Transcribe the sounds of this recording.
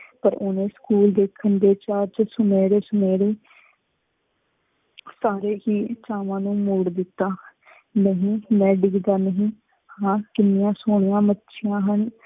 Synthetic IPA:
pəɾʊnẽːskuːld̪eːkʰənd̪eːt͡ʃaːɾt͡ʃsʊmeːɽeːsʊmeːɽeː | saːɾeːhiːt͡ʃaːʋãːnũːmoːɽd̪ɪt̪ːaː | nəɦĩːmɛ̃ːɖɪɡd̪aːnəɦĩː | hãːkɪnːɪjãːsoːɳ̃ɪjãːmətːʃʰɪjãːɦən

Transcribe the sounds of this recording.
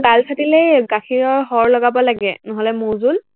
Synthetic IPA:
ɡalsʰatilejɡakʰiɹɔɹɦɔɹlɔɡabɔlaɡɛnɔɦɔlɛmuzul

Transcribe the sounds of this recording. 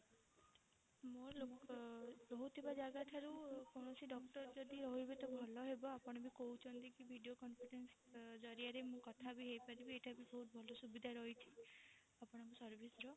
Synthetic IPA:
molok | ɾɔɦut̪ʰibad͡ʒaɡaʈʰaɾukɔɽ̃ɔsiɖɔkʈɔɾd͡ʒɔd̪iɾɔɦɦibet̪ɔbʱɔlɔɦebɔapɔɽ̃ɔbikout͡ʃʰɔnt̪ikibʱiɖiokɔmpʰiʈens | d͡ʒɔɾiaɾemũkɔt̪ʰabiɦejpaɾibieʈʰabibɔɦut̪̚bʱɔlɔsubid̪ʱaɾɔɦit͡ʃʰi̥ | apɔɽ̃ɔŋkusɔɾbʱisɔɾɔ

